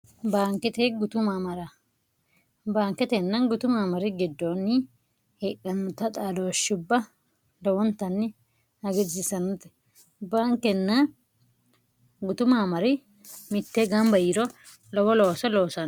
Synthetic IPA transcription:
baːŋkɛt̪eɡʊt̪ʊmamɐɾɐ | baːŋkɛt̪ɛnːɐnɡʊt̪ʊmaːmɐɾɪɡɪd̪ːoːnːɪ | hekːɐnʊt̪ːɐt̪ʼaːd̪oːʃːʊbːɐ | lɔwɔnt̪ɐnːɪ | hɐɡɪɪsɐnʊt̪ɛ̥ | baːŋkɛnːɐ | ɡʊt̪ʊmaːmɐɾɪ | mɪt̪ːeːɡɐmbɐjɪɾɔ | lɔwɔloːsɐloːsɐn

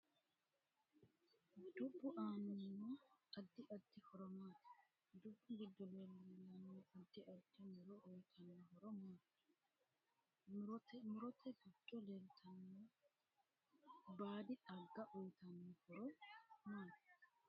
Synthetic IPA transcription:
d̪ʊbːʊʔaːnɐmːoːɐd̪ːɪʔɐd̪ːɪhɔɾɔmaːt̪ɪ̥ | d̪ʊbːʊɡɪd̪ːɔleːlːɐlːɐmːoːʔɐd̪ːɪʔɐd̪ɪmʊɾɔʔɔjt̪ʰɐnɐɦɔɾɔmaː | ɾt̪mʊɾɔt̪ʰɛɡɪd̪̥ːɔleːlt̪ʰɐmːoː | baːd̪ɪᶑɐɡːɐʔɔjt̪ɐnɔhɔɾɔmaːn

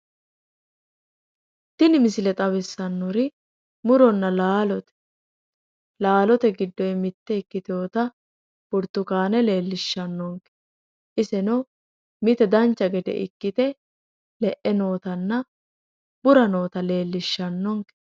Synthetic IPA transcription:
t̪ɪnɪmɪsɪlɛt̪ʼɐwɛsːɐnːɔɾɪ | mʊɾɔnːɐlaːlɔt̪ɛ̥ | laːlɔt̪ɛɡɪd̪ːɔjɛmɪt̪ːɛɪkːɪt̪oːt̪ɐ | b̥ʊɾt̪ːʊkaːnɛle̞ːlːɪʃːɐnːɔŋkɛ | ʔɪsɛnɔ | mɪt̪ɛd̪ɐnt͡ʃːɐɡɛd̪ɛ̰ʔɪ̰kːɪt̪ɛ | lɛʔɛno̞ːt̪ɐnːɐ | b̥ʊɾɐno̞ːt̪ɐle̞ːlːɪʃːɐnːɔŋkɛ̥

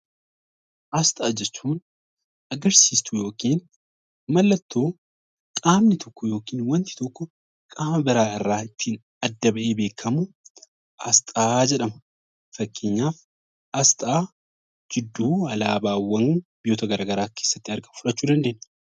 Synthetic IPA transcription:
ʔɐst̪ʼaːd͡ʒɛt͡ʃːuːn | ɐɡɐɾsiːst̪ʰʊjo̞ːkiːn | mɐlːɐt̪ːoː | kʼaːmnɪt̪ʰɔkːɔjo̞ːkiːnwɐnt̪ɪ̥t̪ɔkːɔ | kʼaːmɐbɪɾaːɪrːaːɪt̪ːiːn | ɐd̪ːɐbɐʔeːbe̞ːkʰːɐmʊ | ɐst̪ʼaːd͡ʒɛᶑɐmɐ | fɐkːeːɲːaːf | ɐst̪ʼaː | d͡ʒɪd̪ːuːɐlaːbaːwːɐŋbɪjoːt̪ɐɡɐɾaːɡɐɾaːke̞ːsːɐ̥t̪ːɪɐɾɡɐfʊᶑɐt͡ʃːuːd̪ɐnd̪e̞ːnː

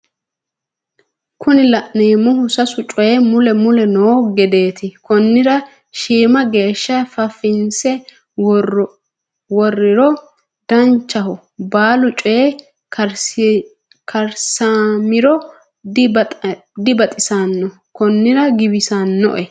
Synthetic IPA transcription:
kʰʊnɪlɐʔneːmʊhʊsɐsʊt͡ʃʼɔjɛmʊlɛmʊlɛnoːɡɛd̪e̞ːt̪ɪkɔnːɪɾɐ | ʃiːmɐɡe̞ːʃːɐfɐfɪnsɛ | wɔrːɪɾɔ | d̪ɐnt͡ʃːɐɦɔ | baːlʊt͡ʃʼɔje | kʰɐɾsamɪɾɔ | d | d̪ɪbɐt̪ʼɪsanːɔ | kɔnːɪɾɐɡɪbɪsanːɔ̰ʔɛ

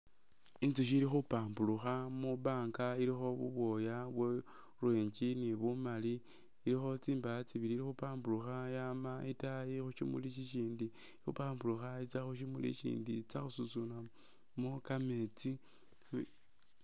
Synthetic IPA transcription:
int͡siʃ̬ilixupaːmbuluxamuβaːŋkaiɾixo̞βṵβwo̞jaβwe | rweːɲd͡ʒiniβumaliː | ɾixo̞t͡siːmbaat͡siβiɾiɾixupaːmbuluxajamaitajixuʃimṵliʃiʃiːndi | xṵpaːmbuluxait͡saxuʃ̬imulḭʃḭːndit͡saxusut͡suna | mukamet͡si

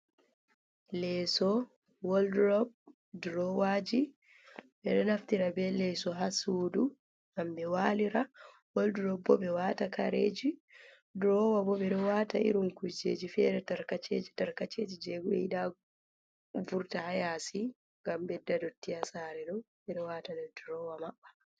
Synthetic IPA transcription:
lɛːsɔ | wɔldɾɔb | dɾɔwaːd͡ʒi | bɛɗɔnaftiɾabɛlɛːsɔɦasuːdu | ɡambɛwaːliɾa | wɔldɾɔbːɔ̰bɛwaːtakaɾeːd͡ʒi | dɾɔwabɔbɛɗɔwataḭɾuŋkud͡ʒḛːd͡ʒifɛɾɛtaɾkat͡ʃeːd͡ʒitaɾkat͡ʃeːd͡ʒid͡ʒɛɡuɛ̰iɗa | vuɾtahajasi | ŋɡambɛdːadɔtːijasaːɾɛɗɔ | ɓɛɗɔwaːtanɛdɾɔwamaɓːḁ

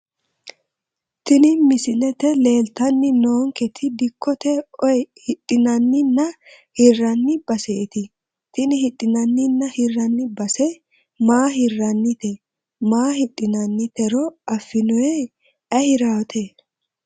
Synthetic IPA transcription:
t̪ɪnɪmɪsɪnɛt̪ɛle̞ːlt̪ɐnːɪnoːŋkɛt̪ʰɪd̪ɪkːɔt̪ɛɔjhɪɗʼːɪnɐnːɪnːɐ | hɪrːɐnːɪb̥ɐseːt̪ɪ | t̪ɪnɪhɪᶑʼːɪnɐnːɪnːɐhɪrːɐnːɪbɐsɛ | maːɦɪrːɐnːɪt̪ɛ | maːhɪɗʼːɪnɐnːɪt̪ɛɾɔɐfːɪnɔjɛ | ɐhɪɾaːt̪ʰɛ

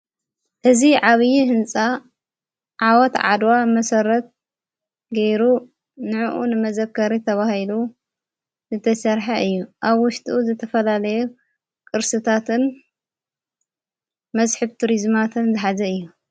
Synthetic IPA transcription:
ʔɨziʕaβɨjiɦɨnt͡sʼa | ʕawɔt̪ʕa̰d̪wamɐsɐɾɐt̪̚ | ɡɐjɾu | nɨʕuʔṵnɨmɐzɐkːɐɾit̪ʰɐβahilu | zɨt̪ʰɐsɐɾħaʔɨjːuʔaβwʊʃt̪ʰʼʔuzɨt̪ʰɐfɐlalɐju | kʼɨɾsɨt̪ʰat̪ɨn | mɐzħɨβt̪ʰuɾizmat̪ʰɨnzɨħazɐɨjːu

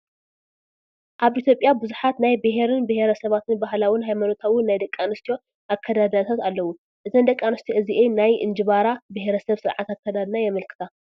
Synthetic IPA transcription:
ʔaβʔit̪ʰʲjo̞pʼːjabɨzuħat̪najbɨɦeɾɨnbɨheɾɐsɐβat̪ʰɨnbaɦlawɪnɦajmano̞t̪ʰawʊnːajd̪ɐkʼːanɨst̪ʰijo̞ | ʔakʰːɐd̪ad̪at̪ʰat̪alːɐwu | ʔɨzɐnd̪ɐkʼːanɨst̪ʰjoʔɨziʔenajʔɨ̰nd͡ʒɨβaɾabɨɦeɾɐsɐβsɨɾʕa̰t̪ʰakʰːɐd̪ad̪najɛmɐlkʰɨ̥t̪ʰa

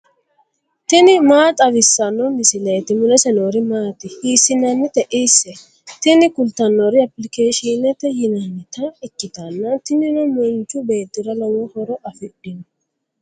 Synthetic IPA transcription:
t̪ɪnɪmaːt̪ʼɐʋɪsːɐnːɔmɪsɪleːt̪ɪmʊnɛsɛnoːɾɪmaːt̪ɪhiːsːɪnɐnːɪt̪ɛʔisːɛ | t̪ɪnɪkʊlt̪ɐnːoɾɪɐpːlɪkeːʃɪnɛt̪ːɛjɪnɐnːɪt̪ɐɪkːɪt̪ɐnːɐt̪ɪnɪnɔmɔnt͡ʃːʊbeːt̪ːɪɾɐlɔwɔhɔɾɔʔɐfɪɗɪnɔ

